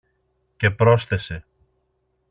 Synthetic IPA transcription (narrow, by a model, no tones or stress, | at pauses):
ce̞pɾo̞sθe̞se̞